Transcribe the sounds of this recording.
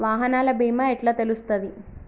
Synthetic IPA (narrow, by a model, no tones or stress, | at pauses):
ʋaːɦɐnaːlɐbʱiːmaːeʈlaːt̪elust̪ɐd̪i